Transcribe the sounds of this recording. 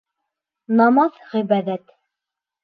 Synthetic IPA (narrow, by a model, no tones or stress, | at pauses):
nɑmɑðʁibæðæt̪